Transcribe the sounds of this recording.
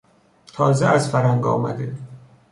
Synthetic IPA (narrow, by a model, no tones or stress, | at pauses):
t̪ʰɒːzeæzfæɾæŋɡɒ̰ːmæ̰d̪e